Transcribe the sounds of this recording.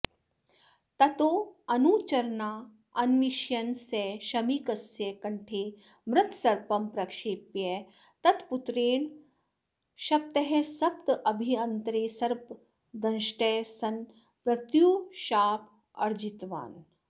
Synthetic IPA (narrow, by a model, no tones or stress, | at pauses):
t̪ɐt̪oːɐnuːt͡ʃɐɾnaː | ɐnmiʃjɐnseːʃɐmikɐsjekɐɳʈʰeː | mɾɨt̪sɐɾpɐmpɾɐkʂeːpje | t̪ɐt̪put̪ɾeːɳ | ʃɐp̚t̪ɐɦesɐpt̪ʔɐbʱiɐnt̪ɾeːsɐɾp | d̪ɐnʃʈeːsɐn | pɾɐt̪juːʃaːp | ɐ̰ɾd͡ʒit̪ʋa̰ːn